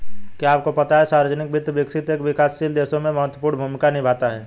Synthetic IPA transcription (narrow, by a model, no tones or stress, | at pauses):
kiaːp̚kopɐt̪aɦɛsaːɾəd͡ʒənɪk̚bʱɪt̪ːbɪksɪt̪eːkʋɪkaːsːild̪eːsõmẽmɐɦət̪wəpuːɾɽ̃nbʱumɪkanɪibʱaːt̪aɦɛː